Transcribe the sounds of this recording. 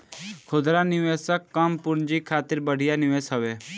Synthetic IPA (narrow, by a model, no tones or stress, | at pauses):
kʰʊd̪ɾanɪʋeːsəkːəmpʊnd͡ʒikʰaːt̪ɪɾbəɽ̤ɪjanɪʋeːsɦəʋeː